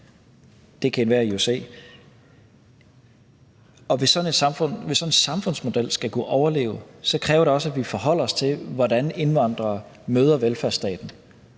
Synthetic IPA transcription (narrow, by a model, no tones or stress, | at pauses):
d̥e̝kʰæenʋæɐiusḛː | ɒ̽ʋe̝sɒ̽ne̝d̥sɑ̈mfɔ̽n̰ʋe̝sːɒ̽ne̝nsɑ̈mfɔ̽n̰smo̝d̥el̰sɡ̥ækʰuʔɒʊɐle̝̰ːʊsɒ̽kʰʁɛːʊɐɾe̝ɒ̽s̬əædʋifɒ̽ɦɒ̽l̰ɐɒ̽st͡sʰe̝lʋɒdæne̝nʋɑ̈n̰d̥ʁɐ | møːð̞ˠɐʋelfæɐsd̥ɛ̰ːd̥n̩